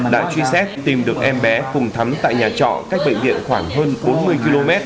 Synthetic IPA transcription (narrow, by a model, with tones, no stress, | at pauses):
ɗa̰ː˧˥t͡ɕwi˧ə˧sɛ˦˥p̚t̪i˨˩mɗɨ˨˩ək̚ʔɛ˧mɓɛ˨˦kʊ˨˩ŋ͡mt̪ʰa˨˦mt̪a̰ː˧˨jɲaː˨˩t͡ɕɔ̰˧˨kaː˦˥jk̟̚ɓə̰˧˨jŋvḭ˧˨ənxwaː˧˩ŋɦəː˧nɓo˨˦nmɨ˨˧əjki˧lo˧mɛ˦˥t̚